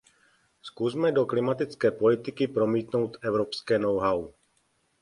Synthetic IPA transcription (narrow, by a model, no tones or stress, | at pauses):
skuzmɛdo̞klɪmat̪ɪt͡skɛːpo̞lɪt̪ɪkɪpɾo̞miːt̪no̞wt̪ɛvɾopskɛːnowɦaw